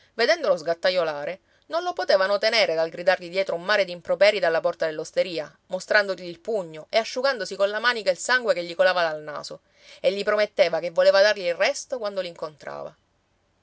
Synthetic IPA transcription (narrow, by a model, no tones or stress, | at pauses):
ved̪ɛnd̪olozɡat̪ːajolaːɾe | nonlopot̪eːvanot̪eneːɾed̪alɡɾid̪arʎid̪jɛːt̪ɾoumːaːɾed̪impɾopɛːɾid̪alːapɔrt̪ad̪elːost̪eɾiːa | most̪ɾand̪oʎiːlpuɲːoʔeaʃːuɡand̪osikonlamaːnikailsaŋɡwekeʎːikolaːvad̪alna̰ːso | eʎːipɾomet̪ːeːvakevːoleːvad̪arʎiːlrɛst̪okwand̪oliŋkont̪ɾa̰ːva̰